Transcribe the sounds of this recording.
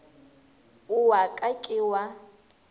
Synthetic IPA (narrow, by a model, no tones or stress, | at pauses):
uwakʼakʼɪwa